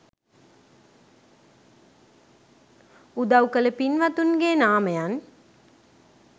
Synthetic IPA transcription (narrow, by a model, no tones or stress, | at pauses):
ud̪awkələpinʋɐt̪unɡeːnaːməjan